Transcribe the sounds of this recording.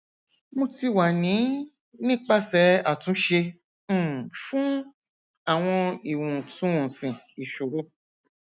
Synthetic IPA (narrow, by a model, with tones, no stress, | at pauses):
mõ˧ti˧wa˨nĩ˨˦ | nĩ˦k͡pa˦˨sɛ˨˦a˦˨tũ˨˦ʃẽ˧˦˨ | fũ˦ | a˦˨w̃ɔ̃˧i˨wũ˨tũ˨˦wũ˨sĩ˨ | i˨ʃu˨ɾo˨˦